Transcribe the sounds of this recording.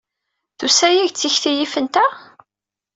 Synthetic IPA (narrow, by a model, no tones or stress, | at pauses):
θusæjiʝt͡sːiçθijifənt̪æ